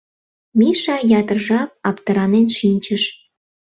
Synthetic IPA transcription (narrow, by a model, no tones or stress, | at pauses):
miʃɑjɑt̪ərʒɑp̚ɑpt̪əɾɑnenʃinʲt͡ɕə̆ʃ